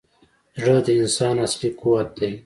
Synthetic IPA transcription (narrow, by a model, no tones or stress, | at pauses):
ʐəd̪əinsɑːnaslikuwat̪̚d̪e